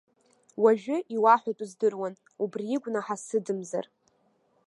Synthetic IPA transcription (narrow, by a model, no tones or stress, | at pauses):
waʒᶣʊʔiwaħʷᶣatʼuzdɨrwan | ubriiɡʷnaħasɨdɨmza̰r